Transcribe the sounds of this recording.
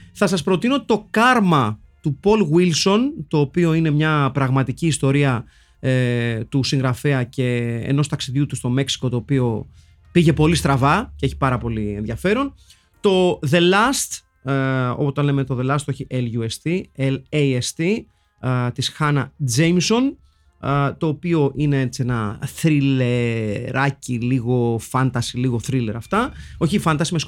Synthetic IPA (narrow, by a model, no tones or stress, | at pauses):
θɐsɐspɾo̞t̪ino̞t̪o̞kɐɾmɐ | t̪upo̞lɣwilso̞nt̪o̞ːpio̞ine̞mɲɐpɾɐɣmɐt̪iciːst̪o̞ɾiɐ | t̪usĩŋɣɾɐfeɐce̞̰ːno̞st̪ɐksiðʝut̪ust̪o̞me̞ksi̥ko̞t̪o̞ːpio̞ | piʝe̞po̞list̪ɾɐvɐceeçi̥pɐɾɐpo̞lienðʝɐfe̞ɾo̞n | t̪o̞ðe̞lɐst̪ | o̞̰pot̪ɐnlemet̪o̞ðe̞lɐst̪o̞çiʔelʝuest̪ielejest̪i | t̪isxɐnɐd͡zejmso̞n | t̪o̞ːpio̞ʔinee̞t͡sienɐθɾileɾɐciliɣo̞fɐnt̪ɐsiliɣo̞θɾile̞ɾɐft̪ɐo̞çifɐnt̪ɐsimes